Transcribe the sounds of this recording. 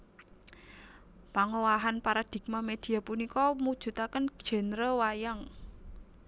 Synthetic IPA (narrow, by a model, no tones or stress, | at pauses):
paŋowaɦanpaɾad̪̥i̤k̚mamed̪̥i̤apunikɔmud̥ʒ̥ṳt̪akən̥ʒ̥ɛ̤nɾəwajaŋ